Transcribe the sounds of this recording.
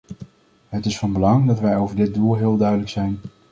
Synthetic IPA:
ɦətɪsfɑnbəlɑŋdɑtʋɛjowvəɹdɪd̚dulˠɦɪːlˠdœɥdələksɛjn

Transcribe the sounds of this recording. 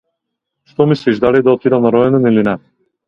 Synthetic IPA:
ʃt̪ɔmisliʒd̪alid̪aɔt̪id̪anaɾɔɛnɛnilinɛ

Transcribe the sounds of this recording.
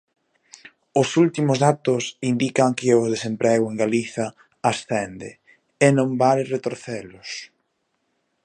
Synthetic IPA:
ʊsult̪imʊzðat̪ʊsind̪ikɐŋkɪʊzðesempɾɛɣʊeŋɡaliθɐː | sθɛnd̪ɪ̰ | enõmbalret̪oɾθɛlʊs

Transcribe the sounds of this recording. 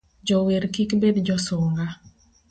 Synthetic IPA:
d͡ʒɔweɾkikbed̪d͡ʒɔsʊŋɡa

